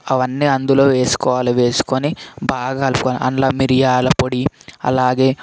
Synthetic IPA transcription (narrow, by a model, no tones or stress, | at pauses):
ɐʋɐnːiːɐnd̪ulo̞ːʋe̞ːsu̥kɔːʋaːliʋe̞ːsu̥konibaːɡaːlupkoːnḭʔɐ̰nlaːmiɾijaːlɐpoɽiɐ̰laːɡe̞ː